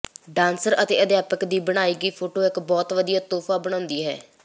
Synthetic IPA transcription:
ɖãːnsəɾət̪ḛːəd̪jaːpəkd̪iːbəɽ̃aːiːɡiːpʰoːʈoːɪkbɔːt̪ʋəd̪ijaːt̪oːpʰaːbəɽãːnd̪iːɦɛ̰ː

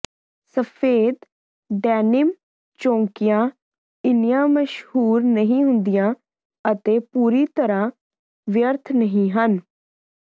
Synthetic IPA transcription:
səpʰeːd̪ | ɖɛːnɪm | t͡ʃõːŋkɪjãː | ɪnjãːməʃhuːɾnəɦĩːɦʊnd̪ɪjãː | ət̪eːpuːɾiːt̪əɾãː | ʋjəɾt̪ʰnəɦĩːɦən

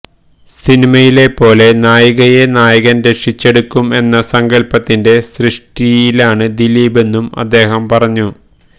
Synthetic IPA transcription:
sinimɐjile̞pːo̞ːle̞naːjɐɣɐjenaːjɐɣɐnɾe̞kʂit͡ɕːe̞ɽukːume̞nːɐsɐŋɡɐlpɐt̪ːinde̞srɨʂʈijilaːɳɨd̪iliːbe̞nːumɐ̰d̪ːe̞ːɦɐmpɐrɐɲːu

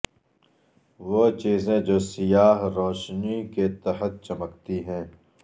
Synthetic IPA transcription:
ʋoːt͡ʃiːzẽd͡ʒoːsɪjaːɦɾoːʃniket̪ɐɦət̪̚t͡ʃɐməkt̪iɦɛ̃ː

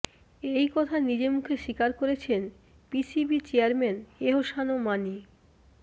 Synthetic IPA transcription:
ejkɔt̪ʰanid͡ʑemukʰeʃikaɾkoɾet͡ɕʰen | pisibit͡ɕeaɾmeneɦoʃanomani

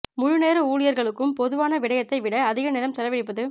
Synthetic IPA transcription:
mʊɻʊneːɾɯuːɭɪjɐɾɣɐɭɯkːɯmpɔðɯʋaːnɐʋɪɽɐjɐt̪ːɐɪʋɪɽɐːðɪɣɐnɪlɐmsɛlɐʋɪɽɪp̬ːɐðɯ

